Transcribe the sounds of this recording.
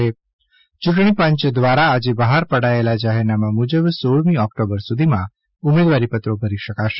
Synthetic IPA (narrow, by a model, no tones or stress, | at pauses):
e | t͡ʃuʈɳ̃ipə̃ɲt͡ʃəd̪ʋaɾaːd͡ʒebəɦaɾpəɽaelad͡ʒaɦeɾnamãmud͡ʒəbsoɭmĩɔkʈobəɾsud̪ʱimã | umed̪ʋaɾipət̪ɾobʱəɾiʃəkaʃe̥